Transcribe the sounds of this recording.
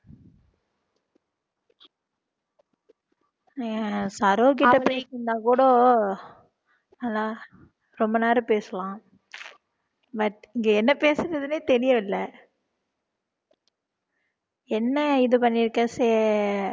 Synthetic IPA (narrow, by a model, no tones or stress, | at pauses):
sɐɾoːk̬ɪʈːɐpeːkːɯnd̪aːkuːɽoː | ɐlːaː | ɾɔmbɐnaːɾɯpeːsɐlãː | bɐʈɪŋɡeɛnːɐpeːsɯɾɐðɯneːt̪ɛɾɪjɐ̃ɪlːɐ | ɛnːɐɪðɯp̬ɐɳːɪɾɯkːɐseː